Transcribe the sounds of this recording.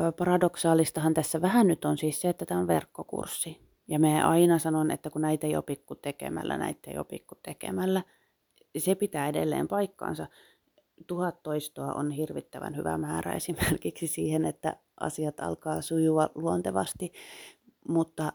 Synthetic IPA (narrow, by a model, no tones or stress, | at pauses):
pɑrɑdoksɑːlist̪ɑhɑnt̪æsːæʋæhænnyt̪onsiːsseet̪ːæt̪æːonʋḛrkːokṵrsːi | jɑmæʔɑinɑsɑnonḛt̪ːækunæit̪ejo̰pikːut̪ekḛmæ̰lːʔæ̰næ̰it̪ːḛijo̰pḭkːut̪ekḛmælːæ | sepit̪æːedḛlːḛːmpɑikːɑ̰ːnsɑ | t̪uhɑt̪ːoist̪oɑʔo̰nhirʋit̪ːæʋæ̰nhy̰ʋæ̰mæːræ̰ḛsimerkiksisiːhenet̪ːæ̰ | ʔɑ̰siɑt̪ɑ̰lkɑːsujuɑluont̪eʋɑ̰st̪i | mut̪ːɑ